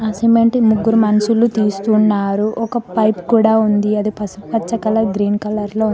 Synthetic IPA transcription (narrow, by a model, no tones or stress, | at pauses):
ɐsimeɳʈmuɡːuɾumɐnɐsulut̪iːsu̥t̪unːaːɾuʔɔkɐpɐjpkuːɽaːund̪iɐd̪ipɐsupɐt͡ʃːɐkɐlɐɡɾiːnkɐlɐɾloː